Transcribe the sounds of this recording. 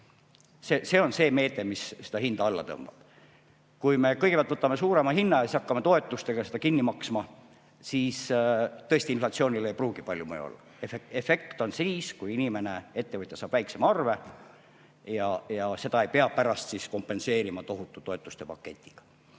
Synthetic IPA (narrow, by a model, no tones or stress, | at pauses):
sese̞ːo̞nse̞ːme̞ːt̪e̞misse̥d̪ɑhind̪̥ɑɑlːɑ̰t̪ɤ̰mb̥ɑb̥ | kujme̞kɤjɡ̥epælt̪vɤt̪ːˑɑme̞suːɾe̞mɑhinːɑjɑsisɑkːɑmet̪o̞e̞t̪ːˑust̪e̞ɡ̥ɑsed̪ɑkinːimɑksmɑ | siːst̪ɤesʲt̪inflɑt̪sio̞ːnʲileejpruːɡ̥ipɑlʲjumḛj̰o̰lːɑ̰ | eeefe̞kt̪o̞nsiːskujinʲime̞ne̞e̞t̪ːevɤt̪ʲjɑsɑːb̥væjkse̞mɑɑrve̞ | jɑjɑse̞d̪ɑe̞jpeɑpæɾɑst̪sisko̞mpːˑe̞nse̞ːɾimɑt̪o̞ɦut̪ːˑut̪o̞e̞t̪ːˑu̥st̪e̞pɑkːˑe̞t̪ʲːˑi̥ɡ̥ɑ̥